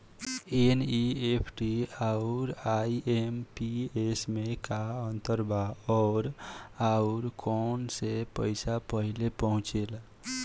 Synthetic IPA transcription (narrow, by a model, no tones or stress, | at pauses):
eniepʰʈiaʊɾaiempiesmekaənt̪əɾbʱaɔːɾaʊɾkʰɔnsepəɪsapəɦilepəɦũt͡ʃel